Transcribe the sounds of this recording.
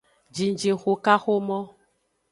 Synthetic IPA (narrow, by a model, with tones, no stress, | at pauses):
d͡ʒi˨ɲd͡ʒi˨xu˨ka˦xo˦mɔ˦